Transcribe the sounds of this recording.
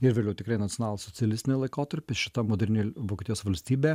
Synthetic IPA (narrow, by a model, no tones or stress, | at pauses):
ɪɾʋʲeːlʲɛʊt̪ʲɪkɾɐɪnɐt̪ʲɪonɑːlˠɐssɔtsʲɪɐlʲɪst̪ʲɪnʲɛlˠɐɪkoːt̪ɐɾʲpʲɪʃʲɪt̪ɐmoːd̪ʲɾʲɪnʲeʋoːkʲet̪ʲjoːsʋɐlʲsʲt̪ʲiːbʲeː